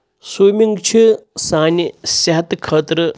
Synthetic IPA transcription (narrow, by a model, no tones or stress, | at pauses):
suːmʲiŋɡt͡ʃʰisaːnʲisɐɦɐt̪kʰəːt̪ɾə